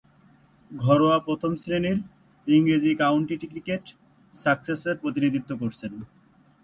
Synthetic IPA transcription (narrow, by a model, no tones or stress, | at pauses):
ɡʱɔɾoapɾot̪ʰomsɾeniɾ | iŋɾed͡ʑikawɳʈiʈikɾikeʈ | sakseseɾpɾot̪inid̪it̪ːokoɾt͡ɕʰen